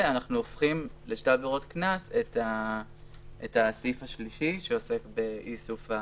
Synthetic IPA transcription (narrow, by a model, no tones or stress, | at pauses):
anaχnuofχimleʃtebeʁotknaseta | etasifaʃliʃiʃeo̞se̞kbe̞ʔisufa